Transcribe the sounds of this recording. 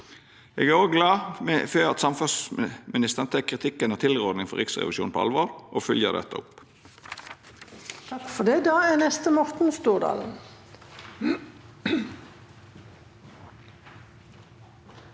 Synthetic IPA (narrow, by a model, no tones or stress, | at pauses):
eːɡæːʁoːɡlɑːmɛføːɑt̪sɑmfʉsmɪnɪst̪əʁnt̪ʰɛkʰːʁɪt̪ʰɪkːənət̪ʰɪlʁɔːd̪nɪŋfɔ̰ʁɪksʁɛ̰ʋɪʃuːnpʰɔ̰ɑ̰lʋoːɾʔoːfʏljə̰d̪ɛ̰t̪ːə̰ʊ̰p | t̪kfɔd̪ɛd̪ɑːænɛst̪əmɔʁt̪n̩st̪uːʁd̪ɑ̰ːln̩